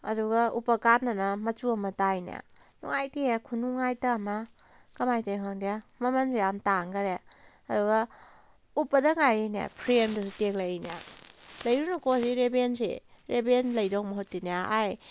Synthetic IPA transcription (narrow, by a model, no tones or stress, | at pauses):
ɐ̰duɡaupɐkaɾnːɐnamɐt͡ʃuɐmɐtajna̰ | nṵŋajtiekʰunuŋajtaːma | kɐmajtaɦaŋdiamɐmɐnseamtaŋɡɐɾe | ɐduɡɐ | upːɐdɐŋajajna̰pʰɾemdɐsuteklajna̰lɐjɾunakɔsiɾebensḛɾebenlɐjdɔk̚mɐɦotːinaaj